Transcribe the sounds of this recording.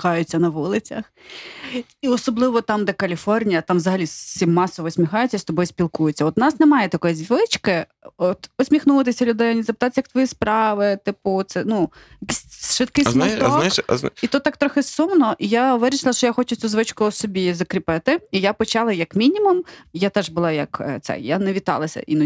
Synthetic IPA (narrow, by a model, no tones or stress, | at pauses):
kɑjʊt͡sʲːɐnɐʋulˠɪt͡sʲɐx | iɔsɔblˠɪʋɔt̪ɑmd̪ɛkɐlʲifɔrnʲijɐt̪ɑmʋzɐɦɐlʲissʲimːɑsɔʋɔsʲmʲixɑjʊt͡sʲɐist̪ɔbɔjsʲpʲilˠkujʊt͡sʲːɐɔt̪nɑsnɛmɑjɛt̪ɐkɔjizʲʋɪt͡ʃkɪ | ɔt̪ɔsʲmʲixnut̪ɪsʲɐlʲʊd̪ɛjnʲizɐpɪt̪ɑt̪ɪjɐkt̪ʋɔjispɾɑʋɪt̪ɪpʊt̪sɛnu | jɐkisʲʃʋɪt̪̚kɪjsmɐt̪ɔnʃit̪ɔt̪ːɑk̚t̪ɾɔxɪsumnɔʔijaʋɪɾʲiʃlˠɐʃt͡ʃɔjaxɔt͡ʃʊt͡sʲuzʋɪt͡ʃkʊsɔbʲizɐkɾʲipɪt̪ɪijapɔt͡ʃɑlˠɐjɐkmʲinʲimʊmjat̪ɛʒbʊlˠɑjɐkt̪sɛ̰janɛʋʲit̪ɑ̰lˠɐsʲɐ̰ʔḭn